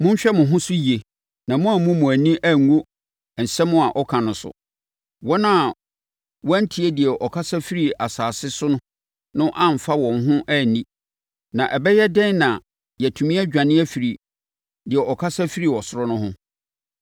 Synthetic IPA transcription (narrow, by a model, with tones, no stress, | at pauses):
mʊ̃˦ɲ̩˦ɕᶣɛ˦mʊ̃˨ɦʊ̃˦sʊ˦ji˨e˨ | nã˨mʊ̃˦a˨mʊ̃˦mʊ̃˨æ˨nĩ˦ʔæ˦˨ŋː˦o˦˨ | n̩˨sɛ˦mʊ̃˦a˨ʔɔ˦kʰã˨nʊ̃˨sʊ̰˨ | wɔ˦nã˦˨ | wɔ˦n̩˦tʰi˨e˦di˨ɛ˨ʔɔ˨kʰa˦sa˦fi˦ɾi˨a˨saː˨sɪ˦sʊ˦nʊ̃˦ | nʊ̃˦ʔã˦m̩˨fa˦wɔ̃˨nɦʊ̃˦ʔæ˦˨nĩ˦ | nã˨ʔɛ˨bɛ˦jɛ˦dɛ̃˦n˦nã˨ | jɛ˨tʰũ˨mĩ˦ɛ˦d͡ʑᶣã˨nɪ̃˦æ˦fi˨ɾi˨ | dɪ˨ɛ˨ʔɔ˨kʰa˦sa˦fi˦ɾi˨ɔ˨sʊ˦ɾɔ˦nʊ̃˦ɦʊ̃˦